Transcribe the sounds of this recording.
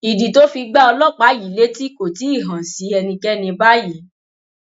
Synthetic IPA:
i˨di˨to˦fi˧ɡ͡ba˦ɔ˧lɔ˦˨k͡pa˨˦ji˨˦˨le˦ti˦˨ko˨ti˨˦i˦˨ɦã˨n̩˨si˨˦ɛ˧nĩ˧kɛ˦nĩ˧ba˦ji˨˦

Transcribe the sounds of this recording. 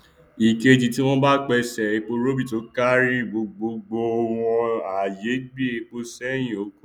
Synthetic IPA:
i˨ke˧ti˨ti˦w̃ɔ̃˦ba˦k͡pɛ˧sɛ˨e˧k͡po˧ɾo˦bi˦˨to˨˦ka˦ɾi˦˨ɡ͡bo˧ɡ͡bo˧ɡ͡bo˧o˧w̃ɔ̃˧a˨je˨˦ɡ͡bi˦e˧˨k͡po˧sɛ˦jĩ˦˨o˨˦kũ˦

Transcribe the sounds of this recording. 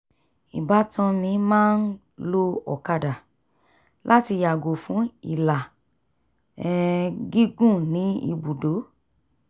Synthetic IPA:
i˨ba˨˦tã˧nĩ˧˦mãː˦n̩˦ | lo˦ɔ̰˨ka˧da˨ | lʔa˦ti˧ja˨ɡo˨fũ˨˦i˨la˨ | ɛ˦˧ɡi˦ɡũ˦˨nĩ˨˦ḭ˧bu˨do˨˦

